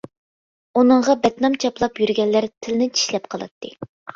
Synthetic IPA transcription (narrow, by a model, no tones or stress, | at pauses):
unɨɴʁɑbɛt̪nɑmt͡ʃʰɑplˠɑpjyɾɡʲɛnːæɾt̪ʰɪlnɪt͡ʃʰi̥ʃlɛp̚qʰɑlˠɨ̰t̪ʰːɨ